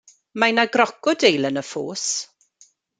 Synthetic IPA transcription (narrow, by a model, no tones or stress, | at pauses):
majnaɡrɔkɔdejlənəfo̰ːs